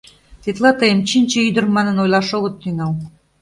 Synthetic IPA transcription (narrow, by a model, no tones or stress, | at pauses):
t̪et̪lɑt̪əjəmt͡ɕinʲt͡ɕĕyd̪ə̆rmɑnənojlɑʃoɣə̆t̪ːyŋɑl